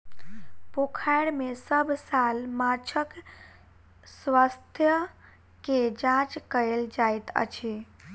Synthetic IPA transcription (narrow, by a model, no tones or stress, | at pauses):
pokʰajɽmesəbʱsalmat͡ʃʰək | sʋast̪ʰjə | ked͡ʒãt͡ʃkəeld͡ʒajt̪ə̰t͡ʃʰe